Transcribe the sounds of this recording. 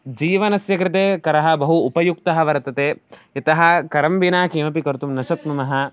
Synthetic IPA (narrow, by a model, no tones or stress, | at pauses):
d͡ʒiːʋɐnɐsjɐkɾɪt̪̬eːkɐɾɐɦɐ̆bɐɦuːpɐjuk̚t̪ɐɦɐʋɐɾɐt̪ɐt̪eːit̪ɐɦɐ̆kɐɾɐmʋinaːkiːmɐp̬ikɐɾt̪umnɐʃɐt̪numɐɦɐ